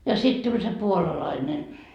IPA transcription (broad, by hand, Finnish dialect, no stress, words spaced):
jɑ sit tulʲ se puolɑlɑine